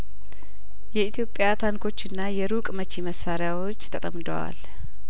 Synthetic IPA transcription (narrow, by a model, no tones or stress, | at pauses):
jɛit̪ʰijo̞pʼːɪjat̪ʰaŋkʰo̞t͡ʃːɨnːajɛɾukʼmət͡ʃːiməsːaɾɪjawo̞t͡ʃːt̪ʰət̪ʼəmd̪ə̰wa̰l